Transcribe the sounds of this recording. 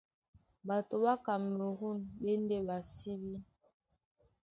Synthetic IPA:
ba˨to˨ba˦ka˨m˨o˨ɣu˦˨nbe˦n˦de˦ba˨si˦bi˦

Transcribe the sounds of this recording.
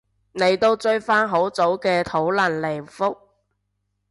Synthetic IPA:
ne˨˧jt̪o˧wt͡ʃɵ˧ɥfaː˥nɦo˨˥wt͡so˨˥wkɛː˧t̪ʰo˨˥wlɐ˨˩nle˨˩fʊ˥k̚

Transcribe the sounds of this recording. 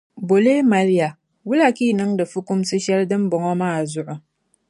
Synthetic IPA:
bo˨le˦ma˨˦lja˨ | wʊ˦la˦˨ki˦nɨ˦ŋda˨fu˦kʊ˦msɨ˦ʃɛ˦ldɨ˦mbɔ˨ŋo˦ma˦a˨zʊ˦ʔʊ˨

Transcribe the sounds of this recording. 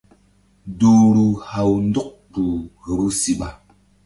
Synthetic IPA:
du˨ɾu˨ha˨wn̩˦du˦k̚tu˨ɣə˨ɾu˦si˦ɓa˨

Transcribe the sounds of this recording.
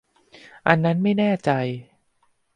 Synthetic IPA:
ʔa˧nːa˦˥nma˥˩jnɛː˥˩t͡ɕa˧j

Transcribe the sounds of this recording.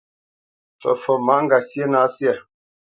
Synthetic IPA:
fə̰˨fə˨ma˦ʔŋ̩˦ɡa˨sjɛ˦na˦sjɛ˨

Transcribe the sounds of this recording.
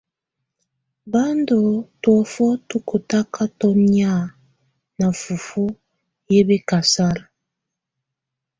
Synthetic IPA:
ba˦ndo˨twɔ˨fɔ˦tu˦ko˨ta˦ka˦tɔ˦n˦a˦˨ | na˨fu˨fu˦ | je˦be˦ka˨sa˦ɾa˨

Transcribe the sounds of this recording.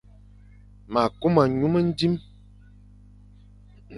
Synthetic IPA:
ma˨ko˦ma˨ɲu˦mə˦n̩˦di˦m

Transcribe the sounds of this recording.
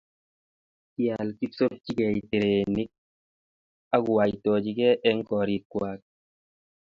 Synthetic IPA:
ki˦a˨lki˦so˦ɾt͡ʃi˦kɛ˨ite˨ɾe˨ni˦k̚ | a˦ku˨wa˨jitɔ˨d͡ʒi˨˦kɛ˦ʔɛ˦ŋkɔ˨ɾi˨kːwaː˦k̚

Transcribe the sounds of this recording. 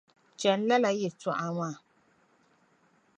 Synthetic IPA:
t͡ʃɛ˨n˦la˦la˨jɛ˨tɔ˨ʔa˨ŋaː˦˨

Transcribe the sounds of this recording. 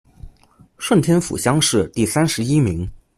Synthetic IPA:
ʂwə˥˩nt̪ʰjɛ˥nfṵ˨˩ɕjɑ˥ŋʂɻ̩˥˧t̪i˥˩sa˥nʂɻ̩˧˥i˥mi˧˥ŋ

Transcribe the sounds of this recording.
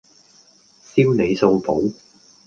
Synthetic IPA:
siː˥wne˨˧jso˧wpo˨˥w

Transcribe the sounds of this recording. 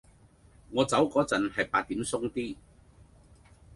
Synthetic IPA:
ŋɔː˨˧t͡sɐ˨˥wkɔː˨˥t͡sɐ˨˥nhɐ˨jpaː˧t̚t̪i˨˥msʊ˥ŋt̪iː˥

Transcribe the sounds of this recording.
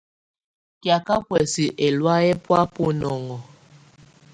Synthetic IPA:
kja˨ka˦kwɛ˨si˨ʔɛ˨lwa˦jɛ˦pwa˦pu˦nɔ˨ŋɔ˨

